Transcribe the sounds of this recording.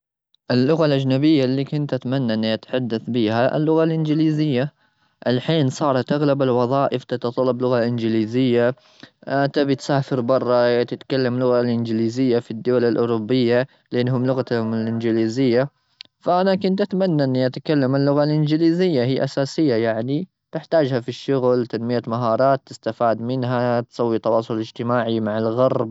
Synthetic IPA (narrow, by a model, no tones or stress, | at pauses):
ʔɪlːʊɣalʔad͡ʒnabɪjːalːiːkʊnt̪ʔat̪manːaʔɪnːiʔat̪ḁħad̪ːaθbiːhaʔɪ̰lːʊɣalʔɪnd͡ʒɪliːzɪjːa | ʔɪlħiːnsˤɑːɾˤɑt̪ʔaɣlabalwɑðˤɑːʔɪft̪at̪ɑt̪ˤɑlːɑblʊɣalʔɪnd͡ʒɪliːzɪjːa | ʔat̪abɪt̪saːfɪɾbɑrˤːɑt̪ɪt̪kalːamlʊɣalʔɪnd͡ʒliːzɪjːafid̪ːʊwalalʔʊɾˤʊbːɪjːa | lʔɪnːhʊmlʊɣat̪hmɪlʔɪnd͡ʒɪliːzɪjːa | faʔanakʊnt̪ʔat̪manːaʔɪnːiʔat̪akalːamalːʊɣalʔɪnd͡ʒɪliːzɪjːahiːʔasaːsɪjːajaʕni | t̪ɪħt̪aːd͡ʒhafiʃːʊɣlt̪anmɪjamaɦɑːɾˤɑːt̪ːɪst̪afaːd̪mɪnɦat̪sˤɑwːit̪ɑwɑːsˤʊlɪd͡ʒt̪ɪmaːʕimaʕalɣɑɾˤb